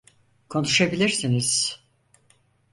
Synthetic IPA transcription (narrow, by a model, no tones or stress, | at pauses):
kʰo̞nuʃabilʲiɾsiniz̥